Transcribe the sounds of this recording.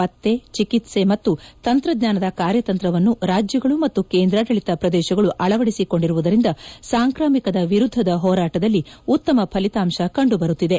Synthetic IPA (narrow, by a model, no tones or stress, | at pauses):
ɐt̪ːe̞t͡ʃikit̪se̞mɐt̪ːut̪ɐnt̪ɾɐd̪ɲaːnɐd̪ɐkaːɾjɐt̪ɐnt̪ɾɐʋɐnːuɾaːd͡ʒjɐɡɐɭumɐt̪ːukeːnd̪ɾaːʈɐɭit̪ɐpɾɐd̪ɛːʃɐɡɐɭuʔɐɭɐʋɐɽisiko̞ɳɖiɾuʋud̪ɐɾind̪ɐsaːŋkɾaːmikɐd̪ɐʋiɾud̪ʱːɐd̪ɐɦɔːɾaːʈɐd̪ɐlːiut̪ːɐmɐpʰɐlit̪aːmʃɐkɐɳɖubɐɾut̪ːid̪e̞